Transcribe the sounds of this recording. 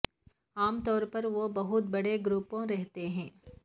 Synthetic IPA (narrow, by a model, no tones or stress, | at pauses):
aːmt̪ɔːɾpɐɾʋobɐɦʊt̪̚bɐɽeɡɾupõɾɛɦt̪eɦɛ̃ː